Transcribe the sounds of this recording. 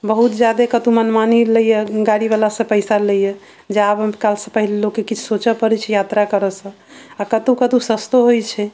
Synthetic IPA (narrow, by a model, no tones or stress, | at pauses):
bəɦut̪d͡ʒjad̪ekət̪ũmənmaniləjeɡaɽibalasə̃pəɪsaləjə | d͡ʒeabkalsə̃pəɦillokːekit͡ʃʰsot͡ʃəpəɾɛt͡ʃʰɛjat̪ɾakəɾəsə̃ | akət̪ũkət̪ũsəst̪oɦojt͡ʃʰɛ